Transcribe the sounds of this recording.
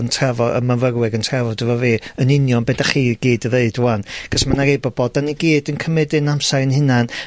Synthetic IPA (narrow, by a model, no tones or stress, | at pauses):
əntʰrɛvɔə̰məvərwɛɡəntʰrɛvɔdəvɔviːənɪnjɔnbedaχiːɡiːdəðeɨdwanɡ̥əsmanaɾejbɔboːdaniɡiːdənkʰəmɛdɪnamsaɾɨnhɪnan